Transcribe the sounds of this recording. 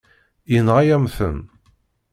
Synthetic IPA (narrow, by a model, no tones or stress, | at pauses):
jənʁajæmθə̰n